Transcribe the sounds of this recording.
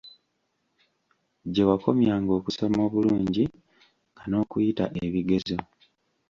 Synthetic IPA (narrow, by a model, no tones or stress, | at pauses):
ɟe̞wako̞mjaːŋɡo̞ːkusomo̞ːβuluːɲɟi | ɡano̞ːkujitaʔeβiɡe̞zo̞